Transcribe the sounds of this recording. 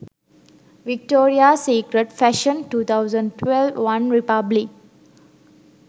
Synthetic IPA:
ʋik̚ʈoːɾiaseːkɾəɖfɛʃə̃nʈuːt̪ʰaʊzə̃ɳɖʈwelʋʋãnɾipablik̚

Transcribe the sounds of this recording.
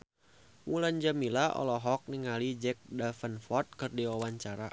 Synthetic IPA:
muland͡ʒamilaɔ̰lɔɦɔk̚niŋalid͡ʒɛk̚dafənfɔrt̪̚kɨrdiwawaɲt͡ʃaɾa

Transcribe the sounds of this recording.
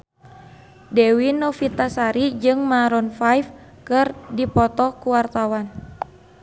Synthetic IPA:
dɛwinɔfit̪asaɾid͡ʒɨŋmaɾɔnfajf | kɨrdipɔt̪ɔkuwart̪awan

